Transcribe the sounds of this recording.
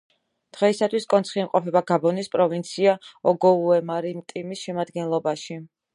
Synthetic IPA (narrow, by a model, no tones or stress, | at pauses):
d̪̥ʁɛisat̪ʰwiskʼɔnt̪sχiimqʼɔpʰɛbaɡabɔnispʼɾɔvint̪sʰiaɔɡɔuɛmaɾimt̪ʼimisʃɛmad̪ɡɛnlˠɔbaʃi